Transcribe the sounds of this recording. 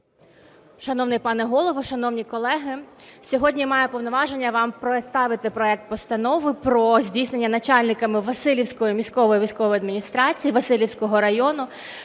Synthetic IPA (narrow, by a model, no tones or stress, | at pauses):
ʃɐnɔwnɪjpɑnɛɦɔlˠɔʋɔʃɐnɔwnʲikɔlˠɛɦɪsʲɔɦɔdʲnʲimɑjɛpɔwnɔʋɑʒenʲːɐʋɑmpɾet̪st̪ɑʋɪt̪ɪpɾɔɛk̚t̪̚pɔst̪ɐnɔʋɪpɾɔzʲdʲijsʲne̞nʲːɐnɐt͡ʃɑlʲnɪkɐmɪʋɐsɪlʲiwsʲkɔjimʲisʲkɔʋɔjiʋʲijsʲkɔʋɔjɐd̪mʲinʲist̪ɾɑt͡sʲijiʋɐsɪlʲiwsʲkɔɦɔɾɐjɔnʊ